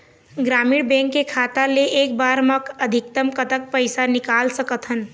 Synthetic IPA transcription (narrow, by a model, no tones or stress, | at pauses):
ɡɾaːmiːɽbɛ̃ŋkːekʰaːt̪aleʔeːk̚baɾməkəd̪ʱik̚t̪əmkət̪ək̚pəɪjsanikaːlsəkət̪ʰɦən